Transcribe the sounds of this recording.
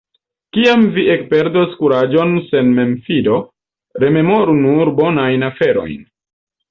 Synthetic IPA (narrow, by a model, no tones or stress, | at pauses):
kiamviʔe̞k̚pe̞ɾdoskuɾad͡ʒo̞nse̞nme̞mfido̞ | ɾe̞me̞mo̞ɾunuɾbo̞najnafe̞ɾo̞̰jn